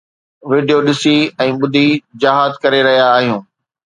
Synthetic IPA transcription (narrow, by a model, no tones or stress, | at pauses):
ʋɪːɖijoɗɪsiɛ̃ːɓʊd̪ʱid͡ʑaːɦaːzkɐɾeɾɐɦijaːɦijũː